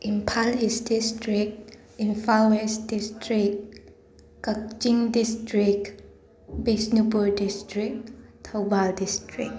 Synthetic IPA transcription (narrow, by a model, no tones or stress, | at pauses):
ʔĩnpʰalisdistʰɹik̚ | ĩnfaɛsdistɹik̚ | kakt͡ʃĩŋdistɹik | bisnubɔdistɹik̚tʰabaldistɹḭk̚